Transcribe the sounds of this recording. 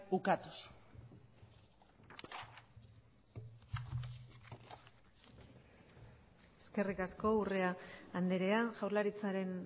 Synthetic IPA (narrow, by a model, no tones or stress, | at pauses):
ukat̪u̥su̥ | eske̞rikasko̞ure̞aːnd̪e̞ɾe̞aʝawɾlaɾit͡saɾe̞n